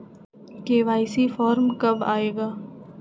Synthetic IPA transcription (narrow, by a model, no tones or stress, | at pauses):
keːʋaːɪsifɔːɾmkɐbaːeːɡaː